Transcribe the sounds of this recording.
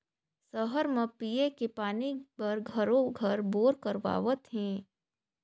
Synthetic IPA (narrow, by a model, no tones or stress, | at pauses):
səɦəɾmẽpiekepaːnipɐɾɡʱəɾõɡʱəɾboːɾkəɾʋa̰ːʋət̪ɦɛ̃ː